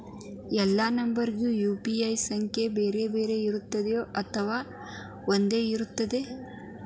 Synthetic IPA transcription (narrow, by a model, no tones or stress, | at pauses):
ɛlːaːnɐmbɐɾiɡjuːjuːpiɐjsɐŋkʰjebeːɾe̞ːbe̞ːɾe̞iɾut̪ːɐd̪ejoːʔɐt̪ʰɐʋaː | ond̪e̞ːiɾut̪ːɐd̪e̞